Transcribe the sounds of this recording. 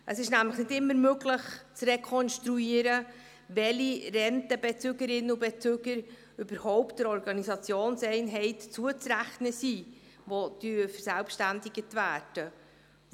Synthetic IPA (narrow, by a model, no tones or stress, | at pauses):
ʔəsɪʃnæmləχnɪdɪmːəɾmøɡləχt͡srekʰɔnʃtɾuiːəɾə | vɛlirɛntəbɛt͡søɡəɾɪnːəʊbet͡søɡ̥əɾ | ʏbəɾhɔʊptd̥əɾɔɾɡɑnisɑt͡sjoːnsɛɪnɦɛɪtt͡suət͡sɾæχnəsiː | vod̥yfəɾsælpʃtændɪɡətvæːd̥ə